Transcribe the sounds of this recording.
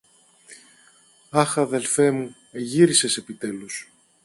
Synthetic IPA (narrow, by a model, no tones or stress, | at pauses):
ɐxɐðe̞lfe̞mu | e̞ʝiɾise̞se̞pit̪e̞lus